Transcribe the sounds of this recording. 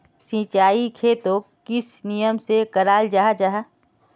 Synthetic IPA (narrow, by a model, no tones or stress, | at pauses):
sĩːt͡ʃaːikʰeːt̪o | kɪsnijəmsekəɾaːld͡ʒaːɦad͡ʒaɦa